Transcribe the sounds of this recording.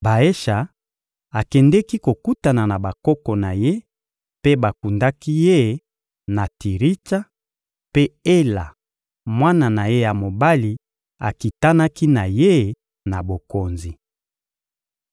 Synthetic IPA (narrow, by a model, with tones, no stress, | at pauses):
ba˨e˦ʃa˨ | a˨kɛ˨ndɛ˦ki˦ko˨ku˦ta˨na˨na˨ba˨kɔ˦kɔ˨na˨je˦ | pe˦ba˨ku˨nda˦ki˦je˦ | na˨ti˨ʁi˦ta˦ | pe˦e˦la˨ | mwa˦na˨na˨je˦ja˨mo˨ba˦li˨ | a˨ki˨ta˦na˦ki˦na˨je˦ | na˨bo˨ko˨nzi˨